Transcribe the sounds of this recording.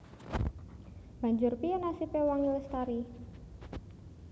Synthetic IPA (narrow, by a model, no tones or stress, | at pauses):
b̥a̤ɲd͡ʒʊrpiɔnasipewaŋiləst̪aɾi